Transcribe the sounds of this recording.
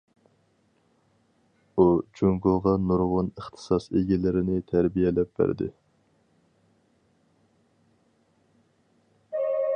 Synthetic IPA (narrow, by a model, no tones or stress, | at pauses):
ud͡ʒuŋɡoʁɑnuɾʁʊnəχt̪ʰɨ̥sɑseɡʲɛlɪɾɪnɪt̪ʰæɾbijɛlɛp̚bæ̰ɾd̪ɪ̰